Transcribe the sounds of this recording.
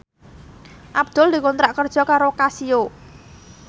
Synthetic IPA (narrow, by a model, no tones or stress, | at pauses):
ʔab̚d̪̥ʊld̪i̤kɔnt̪ɾaʔkərd̥ʒ̥ɔ̤kaɾokasijo